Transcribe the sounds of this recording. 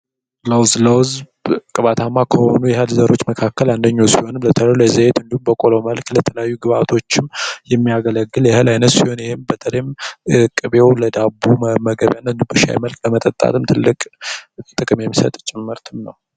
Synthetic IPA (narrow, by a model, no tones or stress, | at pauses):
ləwzləwz | kʼɨβat̪ʰamːakʰəho̞nujɛɦəlzəɾo̞t͡ʃːməkʰakːəland̪əɲːawsiho̞nɨmlət̪ʰəlejujɛzəjet̪ɨnd̪ihumbəkʼo̞loməlklət̪ʰələjajːuɡɨβat̪ʰo̞t͡ʃːɪmjɛmːijaɡələɡːɨljɛɦəlajnət̪siho̞njɛhembət̪ʰələjmɨkʼɨβe̞wləd̪abuməɡəβjanːɨnd̪umbɨʃa̰jməlkʼləmət̪ʼət̪ʼːa̰t̪ʰɨmt̪ʰɨlːɨkʼt̪ʼɨkʼɨmjɛmːisə̰t̪ʼt͡ʃʼɪmːɨɾt̪ʰɨmnəw